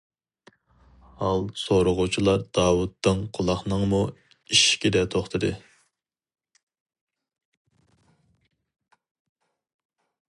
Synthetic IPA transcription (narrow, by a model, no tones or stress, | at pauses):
hɑlˠsoɾʊʁʊt͡ʃʰilˠɑɾd̪̥ɑːwut̪ːɨŋqʰʊlˠɑχnɨŋmu | iʃkʲid̪ɛt̪ʰoχt̪ʰɨd̪ɨ